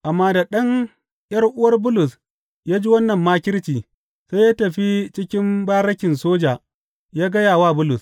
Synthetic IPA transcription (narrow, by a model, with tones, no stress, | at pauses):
ʔa˨mːaː˦da˨ɗɐ˦ŋ | jɐ˦rʔʊ˦wɐ˦rbʊ˦lʊ˨s | jaː˦d͡ʒi˦wɐ˦nːɐ˨mːaː˦kʲɪ˦ɽt͡ʃiː˨ | sa˦jaː˦tɐ˨ɸi˦t͡ʃɪ˦kʲɪ˦mbaː˦ɾɐ˦kʲɪ˨nsoː˦d͡ʒaː˨ | jaː˦ɡɐ˦jaː˨waː˦bʊ˦lʊ˨s